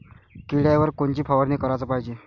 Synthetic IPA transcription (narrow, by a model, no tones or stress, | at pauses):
kiɽjaʋəɾkoɳt͡ɕiːpʰaʋəɾnikəɾajt͡səpaɦid͡ʑe